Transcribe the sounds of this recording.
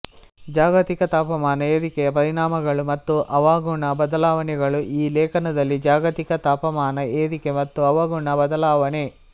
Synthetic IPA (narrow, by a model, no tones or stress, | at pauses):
d͡ʒaːɡɐt̪ikɐt̪aːpɐmaːnɐeːðikɛjɐpɐɾiɳaːmɐɡɐɭumɐt̪ːuʔɐʋaːɡuɳɐbɐd̪ɐlaːʋɐnɛɡɐɭuʔiːlɛːkʰɐnɐd̪ɐlːid͡ʒaːɡɐt̪ikɐt̪aːpɐmaːnɐeːd̪ikemɐt̪ːuɐʋaɡuɳɐbɐd̪ɐlaːʋɐne